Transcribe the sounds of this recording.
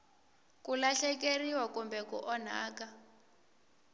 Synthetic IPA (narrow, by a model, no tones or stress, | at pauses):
kulaɬɛkeriwakumbɛkṵʔɔn̤a̰ːka